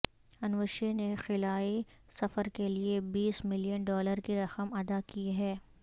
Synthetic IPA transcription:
ɐnʋəʃenexɪlaːi | sɐfəɾkeliebiːsmɪlijənɖɔːləɾkiɾɐxəmɐd̪akiɦɛː

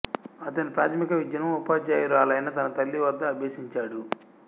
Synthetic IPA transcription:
ɐt̪ɐnipɾaːt̪ʰmikɐʋid͡ʒɐnɐmupaːd͡ʒaːjiɾaːlɐjnɐt̪ɐnɐt̪ɐlːiʋɐd̪ːɐːbʱeːsiɲt͡ʃaːɽu

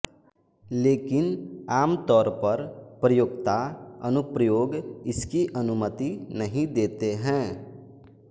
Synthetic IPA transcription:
leːkɪnaːmt̪ɔːɾpəɾpɾəjoːɡt̪aənʊpɾəjoːɡɪskiʔənʊmət̪inəɦĩd̪eːt̪eɦɛ̃ː

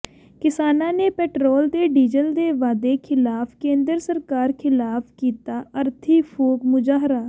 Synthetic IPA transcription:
kɪsaːnãːneːpɛːʈɾɔːld̪eːɖiːd͡ʒəld̪eːʋaːd̪eːkʰɪlaːpʰkẽːnd̪əɾsəɾkaːɾkʰɪlaːpʰkiːt̪aːʔəɾt̪ʰiːpʰoːkmʊd͡ʒaːɦɾaː

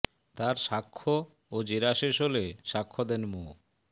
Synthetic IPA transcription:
t̪aɾʃakʰːo | od͡ʑeɾaʃeʃoleʃakʰːod̪enmo

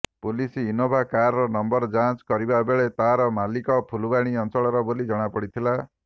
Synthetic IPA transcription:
pulisiːnobʱakaɾɾɔnɔmbɔɾd͡ʒãnt͡ʃkɔɾibabeɭet̪aɾɔmalikɔpʰulubaɽ̃iɔnt͡ʃɔɭɔɾɔbolid͡ʒɔɽ̃apɔɽit̪ʰila

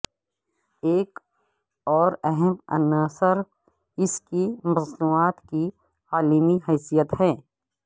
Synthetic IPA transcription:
eːk | ɔːɾɛɦɛmɐ̰naːsəɾ | ɪskimɐznuːaːt̪ki | aːlimiɦɛːsijət̪hɛː

